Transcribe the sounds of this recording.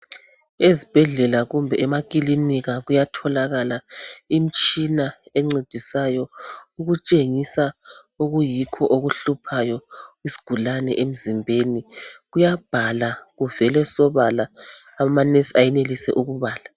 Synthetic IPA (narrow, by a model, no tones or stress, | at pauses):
ezib̥ʱɛɮɛlaɣumbʱɛɛmakʼiliniɣaɣujatʰɔlaɣalaim̩t͡ʃʼinaɛŋ͡ǀed̥ʱisajɔuɣut͡ʃʼeŋisa | uɣujikʰɔʔoɣuɬupʰajɔisi̥ɡ̥ʱulanɛ̰ʔem̩zimbʱeniɣujab̥ʱalaɣuvɛlɛsɔβalaːmanesiajɛnelisɛʔuɣuβaːla